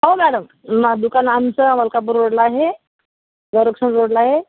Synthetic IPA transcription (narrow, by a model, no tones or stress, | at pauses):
ɦomæɽəm | ad̪ukanamt͡səaməlkap̬əɾɾoɽləaɦe | ɡəɾokʂənɾoɽləaɦe